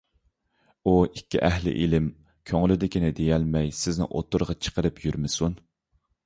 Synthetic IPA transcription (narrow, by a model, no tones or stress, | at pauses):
uikʲːḭʔɛɦlɪ̰ʔilɪm | kʲʰøŋlɪd̪ɪkʲinɪd̪ejɛlmɛjsɪznɪ̰ŋʔo̰t̪ːuɾʁɑt͡ʃʰə̥qəɾɨpjyɾmɪsun